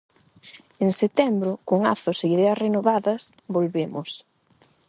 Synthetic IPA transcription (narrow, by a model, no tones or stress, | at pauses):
eŋset̪ɛmbɾʊkoŋa̰θʊseiðɛɐsrenoβaðɐsbolβemʊs